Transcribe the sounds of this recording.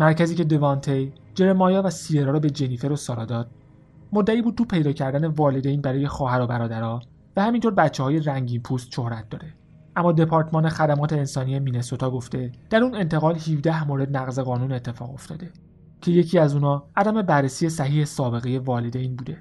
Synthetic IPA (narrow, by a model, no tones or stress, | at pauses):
mæɾcʰæziːce̞d̪e̞vɒnt̪ʰej | d͡ʒe̞ɾemɒːjɒːvæsijeɾɒːɾɒːbe̞d͡ʒe̞niːfe̞ɾosɒːɾɒːd̪ɒːd̪̥̚ | mo̞d̪ːæiːbuːd̪̚t̪ʰuːpʰe̞jd̪ɒːcʰæɾd̪æne̞vɒːled̪ejnbæɾɒːje̞xɒːɦæɾobæɾɒːd̪æɾɒː | væhæmint̪ʰoːɾbæt̪t͡ʃʰːehɒːje̞ræŋɟiːnpʰuːst̪ʃo̞hɾæt̪̚d̪ɒ̰ːɾe̞ | ʔæmːɒːd̪e̞pʰɒːɾt̪mɒːne̞xæd̪æmɒːt̪ʰe̞ːnsɒːnije̞miːne̞sot̪ʰɒːɡo̞ft̪e̞d̪̥æɾuːne̞nt̪ʰe̞ɣɒːlhiːvd̪æhmoːɾe̞d̪̚næɣze̞ɣɒːnuːnet̪ʰːe̞fɒːɣo̞ft̪ʰɒ̰ːd̪e̞ | cʰe̞je̞cʰiːæzuːnɒːʔæd̪æme̞bærːesije̞sæhiːhe̞sɒːbe̞ɣe̞je̞vɒːled̪ejnbuːd̪e̞